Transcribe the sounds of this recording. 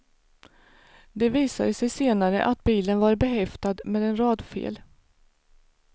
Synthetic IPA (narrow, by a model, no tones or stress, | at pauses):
d̪ɛviːsad̪əsɛjseːnaɾə̰ʔat̪̚biːlənvaɾbɛɦɛft̪ad̪meːd̪ɛnɾɑːd̪fḛːl